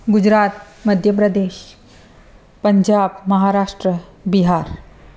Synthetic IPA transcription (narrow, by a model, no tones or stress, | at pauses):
ɡud͡ʑɾaːt̪̚ | məd̪ʱjəpɾəd̪eːʃ | pəɲd͡ʑabməɦaɾaʂʈɾə | biɦaɾ